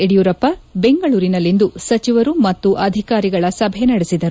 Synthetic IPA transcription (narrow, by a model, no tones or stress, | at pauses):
eɽijuːɾɐpːɐbe̞ŋɡɐɭuːɾinɐlːind̪usɐt͡ʃiʋɐɾumɐt̪ːuʔɐd̪ʱikaːɾiɡɐɭɐsɐbʱɛnɐɽesid̪ɐɾu